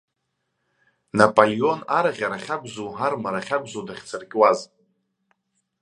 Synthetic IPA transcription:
napʼalio̞naɾaʁʲaɾaχʲaɡʷzowɦarmaɾaχʲaɡʷzowdaχʲt͡sʰarɡʲwaz

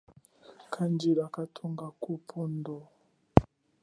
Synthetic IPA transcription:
kʰand͡ʒiɾakatʰuŋɡakupʰundɔ

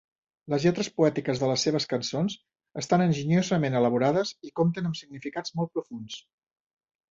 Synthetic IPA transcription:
ləzʎɛt̪ɾəspuɛt̪ikəzðələsːeβ̞əskənsonz | əst̪anənʲʒiɲozəmenələβ̞uɾaðəzikomt̪ənəmsiɡnifikad͡zmɔlˠt̪̚pɾufuns

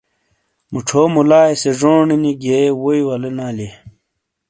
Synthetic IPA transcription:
muʈ͡ʂʰoːmulaːeseʐoːɳiniɡewojwɐlenaːle

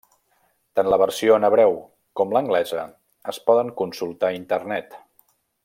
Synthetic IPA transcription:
t̪anləβ̞ərsioənəβ̞ɾɛw | kɔmləŋɡlɛzə | əspɔðəŋkunsulˠt̪aint̪ərnɛt̪

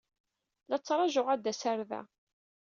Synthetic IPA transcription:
læt͡sːɾˤɑʒoʁæd̪ːæsaɾðæ̰

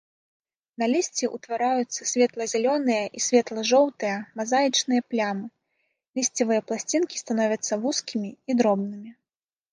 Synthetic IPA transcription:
nɐlʲisʲt͡sʲɛʔut̪vaɾajut̪sːɐ̥sʲvʲɛt̪lˠɐzʲɛlʲɔnɨjɐʔisʲvʲɛt̪lˠɐʐɔwt̪ɨjɐmazajit͡ʂnɨjɐplʲamɨ | lʲisʲt͡sʲɐvɨjɐplˠasʲt͡sʲinkʲi̥st̪anɔvʲɐt̪sːɐvuskʲimʲiːd̪ɾɔbnɨmʲi

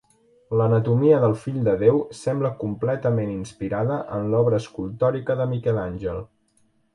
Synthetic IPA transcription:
lənət̪umiəðəlˠfiʎʲd̪əðewsɛmbləkumplɛt̪əmeninspiɾaðəʔənlɔβɾəːskulˠt̪ɔɾikəðəmikɛlanʲʒəlˠ

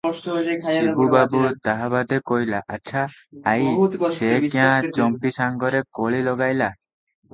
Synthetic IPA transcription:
ɔsʈekʰaibubabud̪aɦabad̪ekojlaʔatːʃʰaːjʃekãt͡ʃɔmpisaŋɡɔɾekoɭilɔɡajla

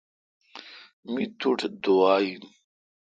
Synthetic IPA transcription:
mit̪ʰuʈʰd̪uaːjin

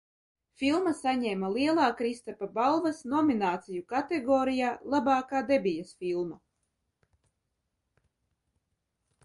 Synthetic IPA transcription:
fʲilˠmasaɲɛːmalˠiɛlˠaːkɾist̪ɔpabalˠvɐsnɔminaːt̪sijukat̪ɛɡɔːɾijaːlˠabɑːkaːd̪ebʲijasfilˠma

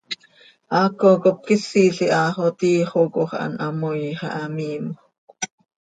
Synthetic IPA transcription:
ʔɑːkokop̚kisiɬiʔɑːχot̪iːχokoχʔɑ̰nʔamojχɑ̰ʔɑmiːmo

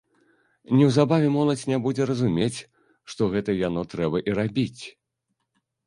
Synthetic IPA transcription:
nʲɛwzabavʲɛmɔlˠɐt͡sʲnʲɛbud͡zʲɛrɐzumʲet͡sʲ | ʂt̪ɔɣɛt̪ɐjan̪ɔt̪ɾɛbɐʔiɾabʲit͡sʲ

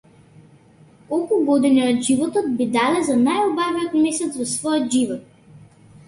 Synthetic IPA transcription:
kɔlˠkuɡɔd̪iniɔd̪ʒivɔt̪ɔt̪̚bid̪alɛzanajɔbaviɔt̪mɛsɛt̪svɔsvɔjɔt̪ʒivɔt̪̚

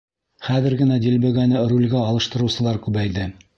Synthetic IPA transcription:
χæðɘ̆ɾɡɘ̆næd̪ilbæɡænɘɾulʲɡæɑlˠɤ̆ʃt̪ɤ̆ɾɤ̆wsɤ̆lˠɑɾkʉβæjd̪ɘ

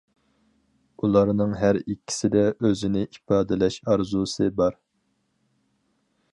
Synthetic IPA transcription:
ulˠɑɾnɨŋɦæɾikʲːi̥sɪd̪ɛʔøzɪnɪʔipɑːd̪ɪlɛʃɑɾzusɨbɑɾ

